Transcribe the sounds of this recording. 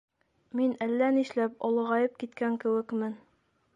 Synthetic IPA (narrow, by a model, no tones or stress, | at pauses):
minælːæniʃlæpɒlˠɤ̆ʁɑjɤp̚kit̪kæŋkɘ̆wɘ̆kmɘn